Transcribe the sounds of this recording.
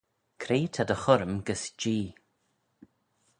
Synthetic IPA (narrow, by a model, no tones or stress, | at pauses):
kʰɾeːt̪ʰad̪əxʊɾəmɡəsd͡ʒiː